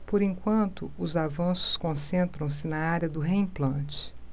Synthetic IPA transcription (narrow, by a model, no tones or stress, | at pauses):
poɾẽŋkwɐ̃nt̪ʊʊzavɐ̃sʊ̥skõsẽnt̪ɾɐ̃w̃s̬ɪnɐaɾjɐd̪ʊɦeĩplɐ̃t͡ʃɪ̥